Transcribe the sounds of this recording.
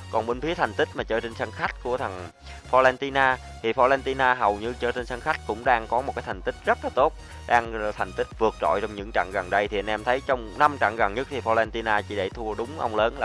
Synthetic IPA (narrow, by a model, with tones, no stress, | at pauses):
kɔ˨˩nɓe˧nfi˨˦ət̪ʰa˨˩jŋ̟t̪ï˦˥k̚maː˨˩t͡ɕəː˧t͡ɕe˧nsa˧nxa˦˥jk̟̚ku˧˩ət̪ʰə˨˩n | fɔ˧lɛ˧nt̪i˧naː˧ | t̪ʰi˨˩fɔ˧lɛː˧nt̪i˧naː˧ɦə˨˩wɲɨ˧t͡ɕəː˧˩t͡ɕe˧nsa˧nxa˦˥jk̟̚kʊ̰˧˥ŋ͡mɗaː˧ŋkɔ˨˦mo˨˩t̚kaː˨˦jt̪ʰa˨˩ŋ̟t̪i˦˥k̟̚zə˦˥t̚laː˨˩t̪o˦˥t̚ | ɗaː˧ŋt̪ʰa˨˩jŋ̟t̪ï˦˥k̟̚vɨ˨˩ək̚zɔ̰˧˨jt͡ɕɔ˧wŋ͡mɲɨ̰˧˥ŋt͡ɕa̰˧˨ŋɣə˨˩nɗə˧jt̪ʰi˨˩ʔə˧nʔɛ˧mt̪ʰə˨˦jt͡ɕɔ˧wŋ͡mna˧mt͡ɕa̰˧˨ŋɣə˨˩nɲə˦˥k̚t̪ʰi˨˩fɔ˧lɛ˧nt̪i˧naː˧t͡ɕḭ˧˩ɗe˧˩t̪ʰu˧əɗʊ˨˦ŋ͡mʔa̰˧wŋ͡mləː˨˦nlaː˨˩